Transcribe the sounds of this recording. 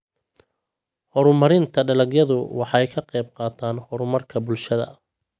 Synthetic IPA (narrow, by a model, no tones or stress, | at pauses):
hɔɾʊmɐɾɪnt̪ʰɐɖɐlɐɡjɐðʊwɑħɑjkʰɐqɛjb̚qɑːt̪ʰaːnhɔɾʊmɐrkʰɐbʊlʃɐðɐ̰